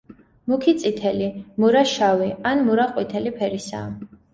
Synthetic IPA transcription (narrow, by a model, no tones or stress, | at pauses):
mukʰit̪sʼit̪ʰɛlimuɾaʃawianmuɾaqʼwit̪ʰɛlipʰɛɾisa̰